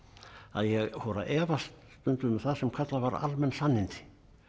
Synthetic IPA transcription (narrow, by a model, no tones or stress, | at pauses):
a̰ðjɛɣhɔɾa̰ʔɛːvast̪st̪ʏnt̪ʏmɛθaðsɛmkʰat̪lavaɾa̰lmɛnsanːɪnt̪ɪ̥